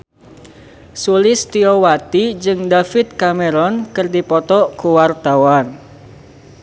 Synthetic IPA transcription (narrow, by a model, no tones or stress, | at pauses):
sulɪst̪iɔwat̪id͡ʒɨŋd̪afɪt̪̚kameɾɔnkərdipɔt̪ɔkuwart̪awan